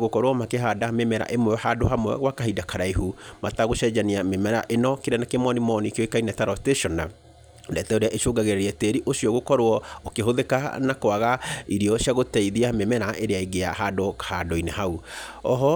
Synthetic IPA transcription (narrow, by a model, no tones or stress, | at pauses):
ɣokɔɾwɔmakeɦadamemɛɾa̰ʔemwɛhadohamwɛ̰ɣwakaɦidakaɾaiɦumataɣoʃɛd͡ʒaniamemɛɾa̰ʔenɔkeɾanakemɔnimɔnikejɔekainɛtaɾɔsteʃɔna | dɛtɛoɾeaʔeʃoɡaɣeɾɛɾɛteɾiʔoʃiɔɣokɔɾwɔokeɦoðekanakowaɣaiɾiɔɕjaɣotɛiðiamemɛɾaʔeɾeaiɡeahadohadoineɦauɔɦɔ